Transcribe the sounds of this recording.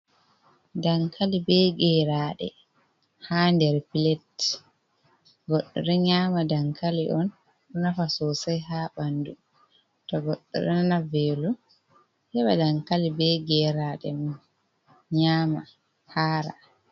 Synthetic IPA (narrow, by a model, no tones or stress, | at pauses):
daŋkʰalibɛɡɛɾaːɗɛ̰ | handɛɾpilɛt | ɡɔɗːɔ̰ɾɛɲaːmadaŋkaliʔɔn | ɗɔnafasosajhabandu | tɔɡɔɗːɔ̰ɾɛnnavɛlu | hɛɓa̰daŋkalibɛɡɛɾaɗɛmun | ɲaːma | haːɾa̰